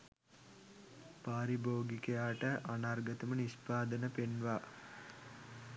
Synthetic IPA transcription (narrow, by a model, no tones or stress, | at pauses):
paːɾiboːɡikejaːʈəʔanarɡət̪əmənispaːd̪ənəpenʋaː